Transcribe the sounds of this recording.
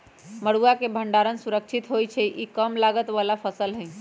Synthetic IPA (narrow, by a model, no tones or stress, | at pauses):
məɽuakebʱəɳɖaɾənsuɾək̚t͡ʃʰit̪ɦojt͡ʃʰɛʔikəmlaɡət̪ʋalapʰəsəlɦə̃j